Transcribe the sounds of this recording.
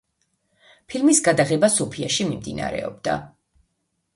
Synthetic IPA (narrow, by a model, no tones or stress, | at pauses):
pʰilˠmisɡad̪aʁɛbasɔpʰiaʃimimd̪ina̰ɾɛ̰ɔbd̪̥a̰